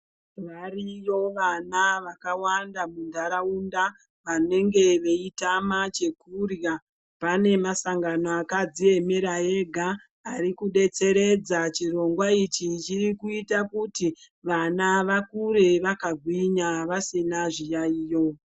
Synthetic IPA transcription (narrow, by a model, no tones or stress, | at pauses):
ʋarijo̞ʋanaʋakawandamundʱaɾaunda | ʋane̞ŋɡe̞ʋe̞itamat͡ʃe̞kurja | pane̞masaŋɡanoakad͡zie̞meɾae̞ɡʱaː | ɾikuɗe̞t͡se̞ɾe̞d͡zat͡ʃiro̞ŋɡwait͡ʃit͡ʃirikuitakuti | ʋanaʋakuɾe̞ʋakaɡʱwiɲaʋasinaʐijaiːjo̞